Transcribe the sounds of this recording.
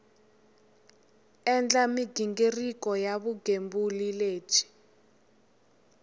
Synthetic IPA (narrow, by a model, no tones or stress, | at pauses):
ɛnd͡ɮamiɡ̥ʱiŋɡerikɔjaɓuɡ̥ʱembulile̥ːt͡ʃʰi̥